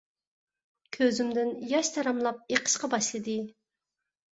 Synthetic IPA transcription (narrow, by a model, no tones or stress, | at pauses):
kʲʰøzymd̪ɪnjɑʃt̪ʰɑɾɑmlˠɑp̚eqʰə̥ʃqɑbɑʃlˠɨd̪ɨ